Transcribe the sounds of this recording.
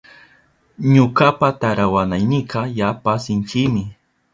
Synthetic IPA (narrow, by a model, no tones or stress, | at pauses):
ɲʊkapat̪aɾawanajnɪqɑjapasɪnt͡ʃɪmɪ